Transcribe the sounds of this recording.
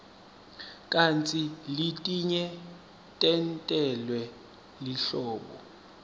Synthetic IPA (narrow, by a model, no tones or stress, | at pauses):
kʼant͡sʼilitʼiɲɛ | tʼɛntʼɛlwɛ | liɬɔːɓɔ̰